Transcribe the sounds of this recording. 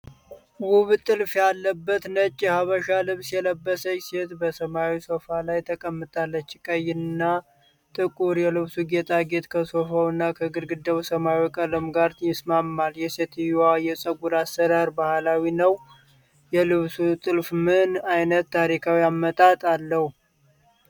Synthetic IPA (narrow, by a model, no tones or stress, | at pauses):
wuβt̪ʼɨlfjalːəbːət̪nət͡ʃʼːɛhaβəʃalɨβsjɛləbːəsəɲːse̞t̪bəsəmawisofalajt̪ʰəkʼəmːɨt̪ʼalːət͡ʃːkʼəjɪnːa | t̪ʼɨkʼuɾjɛlɨβsuɡe̞t̪ʰʼaɡe̞t̪kʰəso̞fəwɨnːakʰəɡɨɾɡɨd̪əwsəmawikʼələmɡaɾt̪ʰjɪsmamːaljɛse̞t̪ajɛsʼəɡuɾasːəɾaɾbahalawinəw | jɛlɨβsut̪ʼɨlfmɨnajnət̪ːaɾikʰawiamːət̪ʼat̪ʼalːəhu